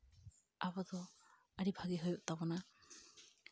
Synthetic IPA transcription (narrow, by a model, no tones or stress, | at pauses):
abɔd̪ɔ | aɽibʱaɡiɦujuʔt̪abɔna